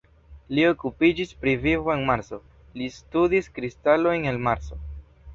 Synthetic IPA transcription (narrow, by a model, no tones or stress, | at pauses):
lio̞kupid͡ʒispɾivivo̞e̞nmaɾso̞ | listudiskɾistalo̞jne̞lmaɾso̞